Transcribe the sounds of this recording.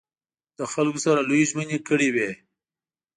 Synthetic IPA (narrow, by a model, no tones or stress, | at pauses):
d̪̥əxalkosaɾalujiʒmənekəɽiwe